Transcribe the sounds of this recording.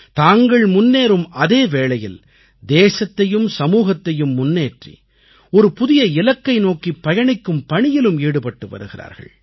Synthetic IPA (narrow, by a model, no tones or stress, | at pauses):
t̪aːŋɡɐɭmʊnːeːɾɯmʔɐðeːʋeːlɐjɪl | d̪eːsɐt̪ːɐjɯmsɐmuːɣɐt̪ːɐjɯmːʊnːeːʈrḭ | ɔɾɯpʊðɪjɐɪlɐkːɐɪnoːkipːɐjɐɳɪkːɯmpɐɳɪjɪlɯmiːɽɯpɐʈːɯʋɐ̰ɾɯɣɪra̰ːɾɣɐ̰ɭ